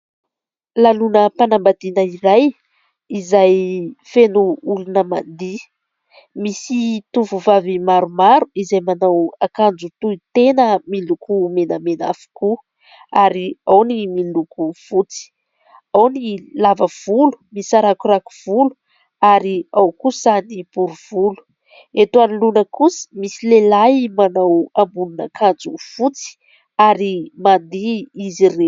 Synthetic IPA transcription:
lalunəpanambad̪inəiɾaj | izajfenuulunəma̰nd̪i | misit̪uvuvavimaɾumaɾuizajmanawakand͡zut̪uit̪enəmilukumenəmena̰fu̥ku | aɾiawnimilukuv̥ut͡si̥ | awnilavəv̥ulu̥misaɾakuɾaku̥v̥ulu | aɾiawkusanib̥uɾuv̥ulu̥ | et̪uanlunəkusi̥misilelajmanawambununakʰand͡zuv̥ut͡si̥ | aɾimand̪iizire

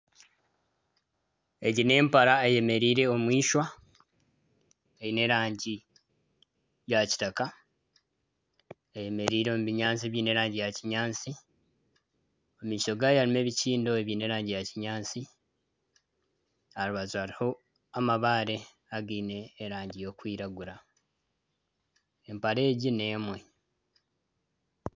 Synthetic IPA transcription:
e̞ɟine̞ːmpaɾaeje̞me̞ɾiːɾe̞o̞mwiːʃwa | eine̞ɾaːɲɟi | jaci̥taka | eje̞me̞ɾiːɾeomuβiɲaːnt͡siβjiːne̞ɾaːɲɟijaciɲaːnt͡si | omiːʃo̞ɡajalime̞ːβiciːndo̞eβiːne̞ɾaːɲɟijaciɲaːt͡si | aluβazuaɾiho̞ | amaβaːɾe̞ | aɡiːne̞ːɾaːɲɟijo̞ːkwiːɾaɡuɾa | empaɾe̞ːɟine̞ːmwe

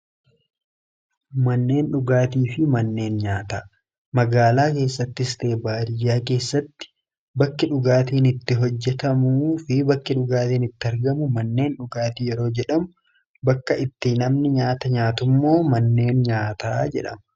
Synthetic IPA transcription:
mɐnːe̞ːnᶑʊɡaːt̪iːfɪmɐnːe̞ːnɲaːt̪aː | mɐɡaːlaːke̞ːsːɐt̪ːɪst̪e̞ːbaːɾɪjːaːke̞ːsːɐt̪ːɪ̥ | bɐkːɪᶑʊɡaːt̪iːnɪt̪ːɪɦɔd͡ʒːɛt̪ɐmuːfɪbɐkːɪᶑʊɡaːt̪iːnɪt̪ːɪɐɾɡɐmʊmɐnːe̞ːnᶑʊɡaːt̪ijɛɾo̞ːd͡ʒɛᶑɐmʊ | bɐkːɐɪt̪ːɪnɐmnɪɲaːt̪ɐɲaːt̪ʊmːo̞ːmɐnːe̞ːnɲaːt̪aːd͡ʒɛ̰ᶑɐ̰mɐ

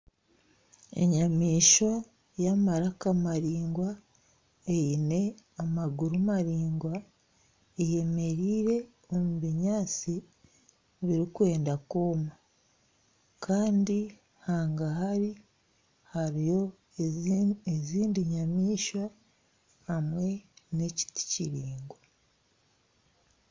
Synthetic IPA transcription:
e̞̰ɲamiːʃwa | jamaɾakamaɾiːŋɡwa | ejine̞amaɡuɾumaɾiːŋɡwa | eje̞me̞ɾiːɾe̞ | omuβiɲaːt͡si | βiɾikwe̞ːndakoːma | kʰaːndi | haːŋɡaɦaɾi | haɾijo̞ | eziːndiɲamiːʃa | hamwe̞ne̞ci̥ti̥ciɾiːŋɡwa

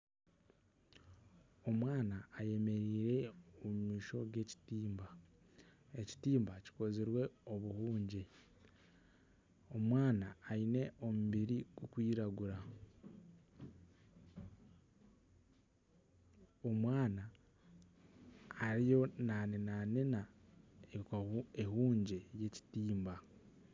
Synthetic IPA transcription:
o̞mwaːnaːje̞me̞ɾiːɾe̞omumiːʃo̞ɡe̞ci̥tiːmba | e̞ci̥tiːmbaci̥ko̞ziɾwe̞o̞βuhuːɲɟe | o̞mwaːnaːine̞ʔo̞muβiɾiɡ̥ukwiːɾaɡuɾa | omwaːna | ɾijo̞nanenanenaeeɦuːɲɟe̞je̞ci̥tiːmba

